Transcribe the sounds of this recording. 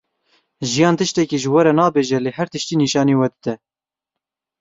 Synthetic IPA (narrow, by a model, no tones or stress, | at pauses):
ʒijɑːnt̪ɨʃt̪ɛkiːʒəwɛɾɛnɑːbeːʒɛleːhæɾt̪ɨʃt̪iːniːʃɑːneːwɛd̪ɨd̪ɛ